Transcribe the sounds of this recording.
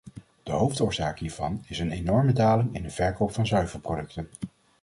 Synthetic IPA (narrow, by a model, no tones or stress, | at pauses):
d̥əɦowftʊːɹzaːkɦiːɹv̥ɑ̰nɪsənenɔɹmədaːlɪŋɪ̰ndəv̥ɛɹkowpfɑnzœɥvəɹprodɵktən